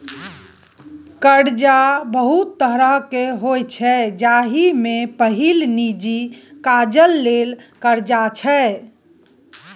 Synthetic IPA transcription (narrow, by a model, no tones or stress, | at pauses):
kəɽd͡ʒabəɦut̪ːəɦɾəɦkeɦojt͡ʃʰɛd͡ʒaɦimepəɦilnid͡ʒikad͡ʒəlːelkəɾd͡ʒat͡ʃʰɛ